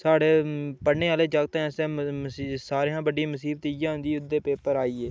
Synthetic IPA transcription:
saːɽeːpəneːaːleːd͡ʒəɡ̚t̪ːsẽː | saːɾeːãːbəɖãːməsiːbt̪iːd͡ʒãːɦʊ̃nd̪iːʊd̪ːeːpeːpəɾaːiːeː

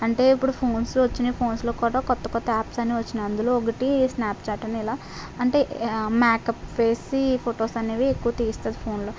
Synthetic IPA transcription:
ɐɳʈe̞ːipːuɽupʰo̞ːnslʋɐt͡ʃːinepʰo̞ːnsloːkuːɽaːkɔt̪ːɐkɔt̪ːɐaːpsɐniʋɐt͡ʃːinɐɐnd̪ulo̞ːɔk̬ɐʈisnaːpt͡ʃaːʈːɐniilaː | ɐɳʈe̞ːmaːkɐpʋe̞ːsipʰoʈoːsɐneːʋiekːuʋɐt̪iːst̪aːd̪ipʰo̞ːnloː

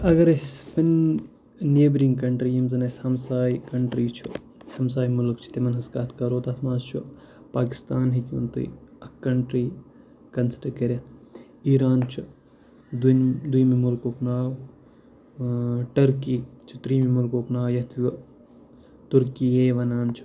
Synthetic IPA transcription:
ɐɡɐɾɐispɐn | neːbɾiŋɡkɐɳʈɾiːɐmzɐnɐsʲhɐmsaːikɐɳʈɾiːt͡ʃʰu | hɐmsaːjmʊlkt͡ʃʰu̥t̪emɐnɦɐskɐt̪ʰkɐɾoːt̪ɐt̪ʰmaːzt͡ʃʰu | paːki̥st̪aːnɦikiṵnt̪ṵiɐkːɐɳʈɾiː | kɐnsʈɐkɐɾʲɐt̪ | iːɾaːnt͡ʃʰu | d̪d̪ujmimulkoːknaːw | ʈɐɾkiːt͡ʃʰu̥t̪ɾiːmimʊlkoːknaːjɐt̪ʰʋu | t̪uɾkiːeːʋɐnaːnt͡ʃʰu̥

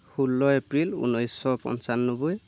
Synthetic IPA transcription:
xulːɔepɹilṵnɔjsːɔpɔ̰nsanːubuj

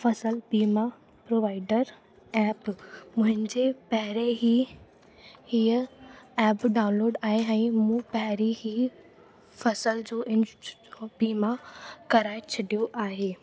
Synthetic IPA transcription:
fɐsəlbiːma | pɾoːʋaːɪɖəɾ | ɛːpmʊ̃ɦɪ̃ɲd͡ʑepɐɦɪɾeɦi | hiːəɛːpɖaːʊ̃nloːɖaːɦeɛ̃ːmũːpɐɦɪɾiɦi | fɐsəld͡ʑoːʔɪ̃nobiːmakɐɾaːet͡ɕʰɐɖijoʔaːɦeː

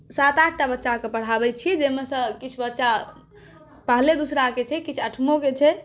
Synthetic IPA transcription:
sat̪aʈʰʈabətːʃakepəɽ̤abɛt͡ʃʰijɛd͡ʒemesə̃kit͡ʃʰubətːʃa | pəɦled̪usɾaket͡ʃʰɛkit͡ʃʰəʈʰmoket͡ʃʰɛ

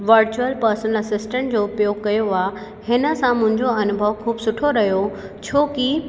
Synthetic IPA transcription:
ʋɐɾt͡ɕuəlpɐɾsənɐsɪsʈə̃ɳʈd͡ʑoːʊpjoːɡ̚kɐjoa | hɪnə̆sãmʊ̃ɦɪ̃ɲd͡ʑoɐnʊbʱəʋkʰuːbsʊʈʰoɾɐɦijot͡ɕʰoːki

